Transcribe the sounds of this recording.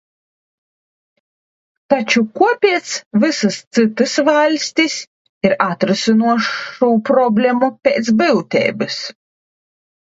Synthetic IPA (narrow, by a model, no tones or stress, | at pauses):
t̪at͡ʃukuɔpʲiɛt̪svɨsɨst̪sɨt̪ɨsvalʲsʲt̪ʲis | iɾat̪ɾɨsʲɨnuɔʃuːpɾɔbʲlʲemupʲeːt̪sbɨwt̪ʲɛ̰ːbɨs